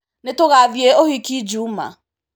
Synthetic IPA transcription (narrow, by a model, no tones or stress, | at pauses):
netoɣavjeoɦikid͡ʒuma̰